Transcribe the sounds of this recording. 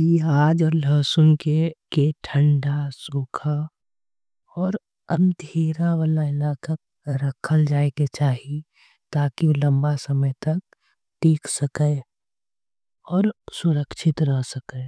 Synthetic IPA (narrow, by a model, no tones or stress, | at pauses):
jeaːd͡ʒɔːɾləːsʊnkekeʈʰə̃ɳɖasuːkʰa | ɔːɾ | ə̃nd̪ʱeːɾaʋaːlaɪlaːka | ɾəkʰəld͡ʒaːeket͡ʃaːɦi | t̪aːkilɐ̃mbasəməjt̪ɐk̚ | ʈiːksəkə | ɔːɾsʊɾəkʃʰɪt̪ɾəɦsəkəː